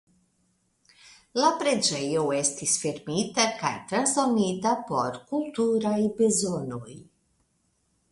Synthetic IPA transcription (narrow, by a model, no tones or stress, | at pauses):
lapɾed͡ʒɛjowɛst̪isfeɾmiːt̪akajt̪ɾazomit̪apɔɾkult̪uɾaibezonuj